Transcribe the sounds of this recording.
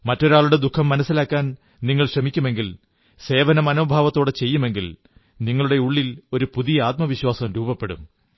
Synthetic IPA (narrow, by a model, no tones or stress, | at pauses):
mɐtːo̞ɾaːɭuɽe̞d̪ukʰːɐmːɐnɐsːilaːkːaːn | niŋːɐɭɕrɐmikʲːume̞ŋɡil | se̞ːʋɐnɐmɐno̞ːbʱaːʋɐt̪ːo̞ːɽet͡ɕe̞jːume̞ŋɡil | niŋːɐɭuɽe̞uɭːilo̞ɾupuðijɐaːt̪̚mɐʋiɕwaːsɐmɾuːbɐpːe̞ɽṵm